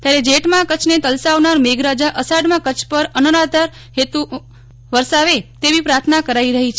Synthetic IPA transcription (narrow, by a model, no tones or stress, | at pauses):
t̪jaɾed͡ʒeʈmãkət͡ʃʰnet̪əlsaʋnaɾmeɡɾad͡ʒaʔəsaɖmãkət͡ʃʰpəɾənəɾat̪əɾ | ɦet̪u | ʋəɾsaʋet̪eʋipɾaɾt̪ʰnakəɾaiɾəɦit͡ʃʰe